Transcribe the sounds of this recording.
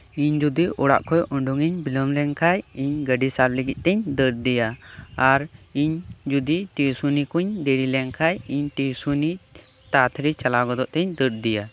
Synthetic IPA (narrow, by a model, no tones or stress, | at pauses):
iɲd͡ʒud̪iʔɔɽa̰ʔkʰɔjʔɔɳɖuŋiɲbilɔmlɛŋkʰajiɲɡəɖisabləɡit̪̚ˀt̪ɛɲd̪əɾd̪ɛjaːɾiɲd͡ʒud̪iʈisunikuɲd̪eɽilɛŋkʰajiɲʈisuni | t̪at̪ʰɾit͡ʃalaɡɔd̪ɔʔt̪ɛɲd̪əʈ̚d̪ija